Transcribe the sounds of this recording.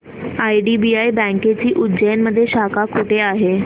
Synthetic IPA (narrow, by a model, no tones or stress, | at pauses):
ajɖiːbiajbɛ̃ŋket͡ɕiːʔud͡ʑəjənməd̪ʱːjeɕakakuʈʰeaɦe